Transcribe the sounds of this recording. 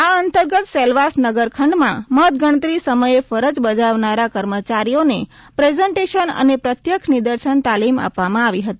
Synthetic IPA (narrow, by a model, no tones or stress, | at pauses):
aənt̪əɾɡət̪selʋasnəɡəɾkʰəɳɖmãmət̪ɡəɽ̃ət̪ɾisəməjefəɾəd͡ʒbəd͡ʒaʋnaɾakəɾmət͡ʃaɾijone | pɾezəɳʈeʃənə̰nepɾət̪jəkʰnid̪əɾʃənt̪alima̰pʋamãaʋiɦət̪i